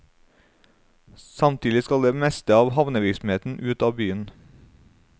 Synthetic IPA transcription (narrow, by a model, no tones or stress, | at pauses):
sɑmt̪ʰiːd̪ɪskɑld̪eːmɛst̪əɑːʋhɑʋnəʋɪɾksm̩eːt̪n̩ʔʉːt̪ɑːbyːən